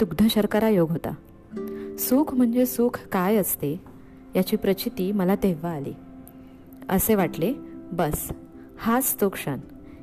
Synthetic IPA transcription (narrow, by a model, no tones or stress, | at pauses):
t̪uɡd̪ʱəɕəɾkaɾajoɡɦot̪a̰ | suːkʰm̤əɳd͡zesuːkʰkajəst̪e | jat͡ɕiːpɾət͡ɕit̪iːməlad̪eʋaːlḭː | ə̰seʋaʈlebəs | hast̪okʂə̰n